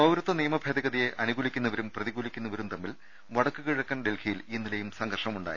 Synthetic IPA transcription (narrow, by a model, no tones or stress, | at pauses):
ɐwɾɐt̪ːɐnijɐmɐbʱed̪ɐɣɐðije̞ʔɐnuɣuːlikʲːunːɐʋɐɾumprɐðiɣuːlikʲːunːɐʋɐɾumt̪ɐmːil | ʋɐɽɐkːɨkiɻɐkːɐnɖe̞lkʰijiliːnːilɐjumsɐŋɡɐrʂɳɐmuɳɖa̰ːji